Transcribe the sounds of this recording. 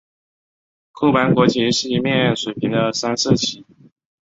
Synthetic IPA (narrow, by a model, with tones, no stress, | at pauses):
kʰu˥˩pa˧˥nkwɔ˧˥t͡ɕʰi˧˥ʂɻ̩˥˩i˧˥mjɛ˥˧nɻɛ˥˩nʂwe˨˩ɪpʰi˧˥ŋd̪ə˧sa˥nsɤ˥˩t͡ɕʰi˧˥